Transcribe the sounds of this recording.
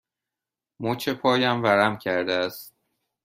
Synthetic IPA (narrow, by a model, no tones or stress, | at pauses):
mot͡ʃʰepʰɒːjæmvæɾæmcʰæɾd̪eæst̪